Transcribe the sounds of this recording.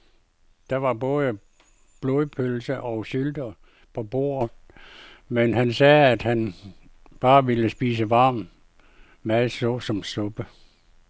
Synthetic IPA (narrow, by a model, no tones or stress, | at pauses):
d̥ɑ̈ʋɑ̈b̥ɔ̽ːðˠə | b̥lo̝ðˠpʰølsəʔɒ̽ʊɕyld̥ɐ | pʰɒ̽b̥o̝̰ːɐ̰ | menɦænsɛːæd̥hæn | b̥ɑ̈ːʋiləsb̥iːsəʋɑ̈ːm | mæðˠsɔsɒ̽msɔ̽b̥ə